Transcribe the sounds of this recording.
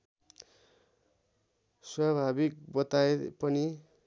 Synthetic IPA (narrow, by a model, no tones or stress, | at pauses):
swabʱabik̚bʌt̪aepʌni